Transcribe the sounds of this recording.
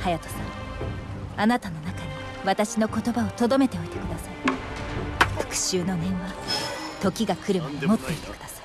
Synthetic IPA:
hajat̪o̥sã | anat̪ano̞nakaɲ̟i | βat̪aɕino̞ko̞t̪o̞bao̞t̪o̞d̪o̞me̞t̪e̞o̞it̪e̞kɯ̟d̪asaɾi̥ | fɯ̥kɯ̟̥ɕɨːno̞nẽɰβat̪o̞kʲiɡakɯ̟ɾɯmoɲimo̞t̪ːe̞it̪ekɯ̥d̪ḁsaɾii̥

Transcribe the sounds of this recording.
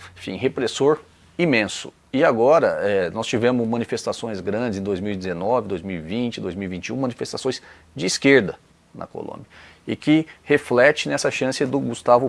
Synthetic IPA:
ẽfḭ̃ɦepɾesoɾ | imẽsʊ̥̰ | ɪaɡɔɾɐɛnɔst͡ʃivẽmʊzmɐ̃nifest̪asõj̃zɡɾɐ̃d͡ʒɪzẽd̪ojzmiwid͡ʒ̪ɪzenɔvɪd̪ojzmiwivĩnt͡ʃɪd̪ojzmiwivĩnt͡ʃiũmɐ̃nifest̪asõj̃s | d͡ʒɪːskeɾd̪ɐ | nʔɐ̰ko̰lõ̰mbjɐ | ɪkɪheflɛt͡ʃɪnɛsɐʃɐ̃sɪd̪ʊɡust̪avʊ

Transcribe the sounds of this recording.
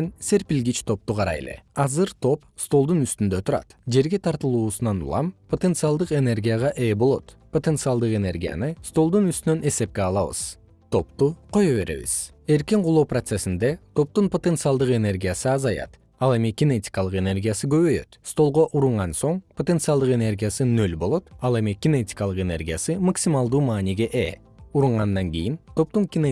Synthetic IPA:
nse̞ɾpilʲɡit͡ʃt̪ʰo̞p̚t̪uqʰɑɾɑ̰jḛle̞̰ɑzɯɾt̪ʰo̞p | st̪o̞lˠd̪unyst̪ynd̪ø̞t̪ʰuɾɑ̰t̪d͡ʒe̞ɾɡe̞t̪ʰɑɾt̪ɯlˠuːsunɑnṵlˠɑ̰mpʰot̪ent̪sɨalˠd̪ɯqe̞ne̞rɡʲijaʁɑʔe̞ːbo̞lˠo̞̰t̪pot̪e̞nsɨalˠd̪ɯqe̞ne̞rɡʲija̰nɯst̪o̞lˠd̪unyst̪ynønʔe̞se̞p̚ke̞ɑlˠɑβɯ̰z̥ | t̪ʰo̞pt̪uqʰo̞joβe̞ɾe̞̰βḭz̥ | e̞ɾkiɴqʰulˠoːprot̪se̞sind̪e̞t̪ʰo̞p̚t̪unpot̪e̞nt̪sɨalˠd̪ɯqe̞ne̞rɡʲijasɯɑzɑjɑ̰t̪ | ɑlˠe̞miɡʲine̞tʲi̥kɑlˠɯqe̞ne̞rɡʲijasɯɡø̞βø̞jø̞̰t̪st̪o̞lˠʁo̞ʔuɾuɴʁɑnso̞ɴpʰot̪e̞nt̪sɨalˠd̪ɯqe̞ne̞rɡʲijasɯnølbo̞lˠo̞t̪ɑlˠe̞miɡʲine̞t̪ʲi̥kɑlˠɯqe̞ne̞̰rɡʲijasɯmaksimɑlˠd̪uːmɑːniɡʲe̞ʔe | uɾuɴʁɑnd̪ɑŋɡʲijint̪ʰo̞p̚t̪uŋkʲine

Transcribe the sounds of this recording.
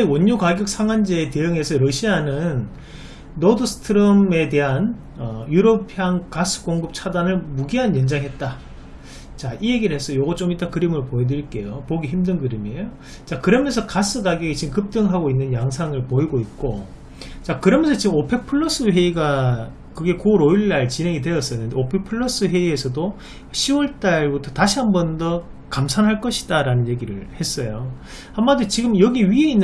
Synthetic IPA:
wʌɲːukaɡjʌk̚sʰaŋwand͡ʑeːte̞jɯŋe̞sʰʌɾʌɕʰianɯnː | odɯsʰɯ̥tʰɯɾɯme̞te̞ɦan | ʌjuɾopʰjaŋkas͈ʰɯ̥k͈oŋɡɯp̚t͡ɕʰadanɯɭmuɡiɦanjʌnd͡ʑaŋɦe̞t̚t͈a | t͡ɕaije̞ɡiɭɦe̞sʰʌjoɡʌt͡ɕ͈omit͈akɯɾimɯɭpoedɯɾiɭk͈e̞jopoɡiçimdɯnɡɯɾimejo | t͡ɕakɯɾʌmjʌnsʰʌkas͈ɯɡaɡeɡit͡ɕiɡɯmkɯp̚t͈ɯŋɦaɡoinːɯnjaŋsʰaŋɯɭpoiɡoit̚k͈o | t͡ɕakɯɾʌmjʌnsʰʌt͡ɕiɡɯmopʰe̞pʰɯɭːʌs͈ɯɸe̞iɡa | kɯɡe̞koɾoiɭːaɭt͡ɕinɦe̞ŋidwe̞jʌs͈ʌjnɯndeopʰe̞pʰɯɭːʌs͈ɯɸe̞ie̞sʰʌdo | ɕʰiwʌɭt͈aɭbutʰʌtaɕʰiɦambʌndʌ | kamsʰanɦaɭk͈ʌɕʰi̥d̥aɾanɯnje̞ɡiɾɯɭhe̞s͈ʌjo | hammandot͡ɕiɡɯmjʌɡiɥie̞inː

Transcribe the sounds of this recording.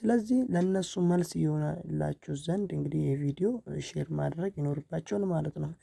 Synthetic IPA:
sɨləzːihləɨnːəsːuməlsɨjɛho̞nalːa̰t͡ʃːɛwzənd̪ɨŋɡɨd̪ihjɛvid̪ijo̞ʃeɾmad̪ɾəɡjɪno̞ɾɨbːat͡ʃːɛwlmalət̪nəw

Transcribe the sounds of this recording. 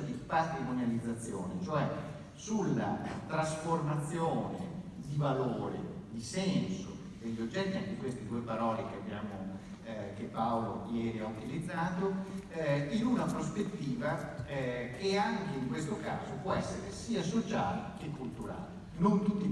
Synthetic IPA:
d̪ipat̪ɾimonjalid̪zːat̪sːjo̰ːnet͡ʃoɛ | sulːa̰t̪ɾasformat̪sːjoːnḛd̪ivaloːɾḛd̪isɛnso | d̪̥eʎːod͡ʒːɛt̪ːiaŋkeikwest̪ed̪uːepaɾɔːlekeabːjaːmo | kepːawlojɛːɾiaut̪ilid̪zːaːt̪o | inunapɾospet̪ːiːva | kʰeaŋkeiŋkwest̪oka̰ːzopwɔɛsːeɾesiːasot͡ʃa̰ːlekekːult̪uɾa̰ːle | nont̪ut̪ːi

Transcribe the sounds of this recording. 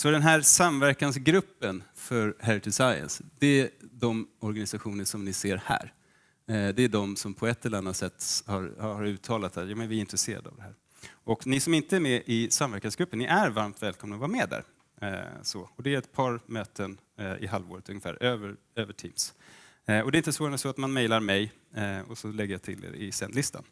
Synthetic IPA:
sɔd̪ɛnɦæɾsamvæɾkansɡɾɵpːənfœɾɦɛɾɪt̪ʰɪsajə̰nsd̪ɛæd̪ɔmɔɾɡanɪsaɧuːnəʂɔmnɪseːɾhæ̰ːɾ | d̪ɛːɖɔmsɔmpʰɔɛt̪ːɛləɾanːat̪sɛt̪ːhɑɾhɑɾʉ̟ːt̪ʰɑːlat̪sæjɑːmɛnvɪɪnt̪ɾɛseːɾa̰d̪a̰vd̪ɛɦæːɾ | ɔknɪsɔmɪnt̪əæɾmɛʔɪsamvæɾkansɡɾɵpːənːɪʔæɾvaɾmt̪vɛːlkʰɔmnaɔvɑɾamɛd̪æ̰ːɾ | sɔɔd̪ɛæɾɛt̪̚pʰɑːɾmøːt̪ʰən | ɪ̰ɦalvo̰ːɾət̪ʰɵŋːəfæ̰ːɾøːvəɾ | øːvəʈʰiːms | ɔd̪ɛɪnt̪əsvoːɾansɔat̪manmɛjlaɾmɛj | ɔsɔlɛɡːəjat̪ʰɪlḛːɾɪ̰sɛnd̪lɪst̪ʰa̰n

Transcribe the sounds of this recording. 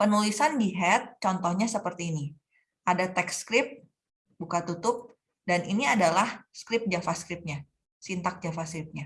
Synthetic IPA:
pənulisandiɦɛt̪̚t͡ʃɔnt̪ɔhɲasəpərt̪iːni | ʔadat̪ɛkskɾɪp̚ | bukat̪ut̪ʊp̚ | danʔiniadalahskɾɪp̚d͡ʒafaskɾɪp̚ɲa | sint̪ak̚d͡ʒafaskɾɪp̚ɲa

